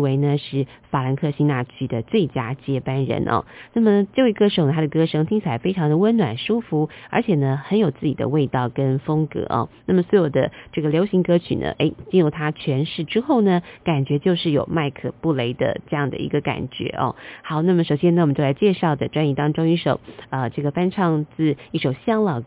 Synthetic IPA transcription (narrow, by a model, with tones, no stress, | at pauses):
we˧˥ɪnə˧ʂɻ̩˥˩ | fa˨˩la˧˥nkʰɤ˥˧˩ɕi˥na˥˩t͡ɕʰy˥d̪ə˨t͡swe˥˩ɪt͡ɕja˥t͡ɕjɛ˥pa˥nɻə̰˧˥nʔɐ̰˧na˥˩mə˨˩t͡ɕjo˥˧we˥˧kɤ˥ʂo˨˩ʊn˩t̪ʰa˥d̪ə˨kɤ˥ʂɤ˥ŋt̪ʰi˥ŋt͡ɕʰi˥˩la˧˥ɪfe˥ɪʈ͡ʂʰɑ˧˥ŋd̪ə˨wə˥nnwa̰˨˩nʂu˥fu˧˥ə̰˞˧˥t͡ɕʰjɛ˨˩nə˦xə˧˥njo˨˩ʊt͡sɹ̩˥˩t͡ɕi˨˩d̪ə̰˦we˥˧ɪt̪ɑ˥˩ʊkə˦˥nfɤ˥ŋkɤ̰˧˥ʔɑ̰˧na˥˩mə˩swɔ˧˥jo˨˩d̪ə˦ʈ͡ʂɤ˥˩ɡə˩ljo˧˥ʊɕi˧˥ŋkɤ˧˥t͡ɕʰy̰˨˩nə̰˦ʔe˧˥ɪt͡ɕi˥˧nɻu˥˩t̪ʰa˥t͡ɕʰɥɛ˧˥nʂɻ̩˥˩ʈ͡ʂɻ̩˥xo˥˩ʊnə˩ka˨˩nt͡ɕɥɛ˧˥t͡ɕjo˥˧ʊʂɻ̩˥˩jo̰˨˩ʊma˥˩ɪkʰɤ˨˩pu˥˩le˧˥ɪd̪ə̰˧ʈ͡ʂɤ˥˧jɑ˥˩ŋd̪ə̰˩ḭ˧˥ɡə˧ka̰˨˩nt͡ɕɥɛ̰˧˥ʔɑ̰˧xɑ˨˩ʊna˥˩mə˩ʂo˨˩ʊɕjɛ˥nə˧˩wmə˨t͡ɕo˥˩la˧˥ɪt͡ɕjɛ˥˧ʂɑ˥˩ʊd̪ə˩ʈ͡ʂwa˥ni˧˥˩t̪ɑ˥ŋʈ͡ʂo˥ŋi˥˩ʂo˨˩ʊə˧ʈ͡ʂɤ˥˩ɡə˩fa˥nʈ͡ʂʰɑ˥˧ŋt͡sɹ̩˥˩i˥˩ʂo˨˩ʊɕjɑ˥ŋlɑ˨˩ʊ